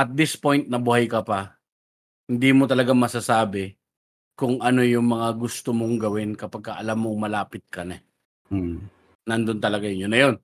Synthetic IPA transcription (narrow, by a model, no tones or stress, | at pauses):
ʔɐt̪̚d̪ɪspo̞jnt̪̚nɐbʊhajkɐpɐ | hɪnd̪imot̪ɐlɐɡamɐsasaːbɪ | kʊŋʔɐno̞jʊŋmɐŋaɡʊst̪omoŋɡɐwɪnkɐpɐɡ̚kaʔɐlamːoŋmɐlaːpɪt̪̚kɐnɛ | nɐnd̪ont̪ɐlɐɡajʊnjʊnːɐjo̞n